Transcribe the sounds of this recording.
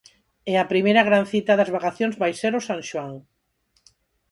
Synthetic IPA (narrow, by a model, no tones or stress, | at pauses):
ɛapɾimejɾaɣ̞ɾanθit̪aðazβakaθjõnzβajseɾosaŋʃwaŋ